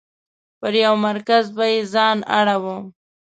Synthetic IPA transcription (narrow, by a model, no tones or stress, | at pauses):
pəɾjawmaɾkazbajezɑna̰ɽawəm